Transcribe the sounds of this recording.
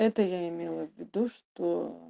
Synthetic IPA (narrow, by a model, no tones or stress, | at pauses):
ɛt̪əjaɪmʲelˠəvʲːɪd̪uʂt̪o